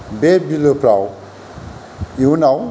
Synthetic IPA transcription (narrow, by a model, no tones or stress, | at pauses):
bebiləpɾaw | iunaw